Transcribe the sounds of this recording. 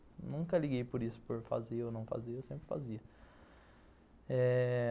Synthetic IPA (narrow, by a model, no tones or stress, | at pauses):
nũŋkɐliɡejpoɾisʊ̥poɾfa̰zeownɐ̃w̃fa̰zeewsẽmpɾɪfa̰ziɐ | ɛ